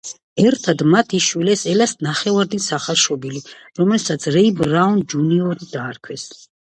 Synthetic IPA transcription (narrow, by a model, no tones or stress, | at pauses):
ɛɾt̪ʰad̪mat̪ʰiʃwilɛsɛlasnaχɛvaɾd̪isaχalˠʃɔbili | ɾɔmɛlsat̪sʰɾɛibɾaund͡ʒuniɔɾid̪aːɾkʰwɛs